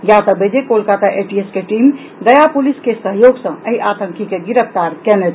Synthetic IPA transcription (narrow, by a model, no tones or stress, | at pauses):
ɡjat̪əbəd͡ʒekolkat̪aʔeʈieskeʈim | d̪əjapuliskesəɦjoɡsə̃əjʔat̪əŋkikeɡiɾəpʰt̪aɾkɛnɛt̪